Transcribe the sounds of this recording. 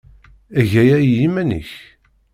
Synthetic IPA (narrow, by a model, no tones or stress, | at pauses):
æʝæjæjːimænə̰ç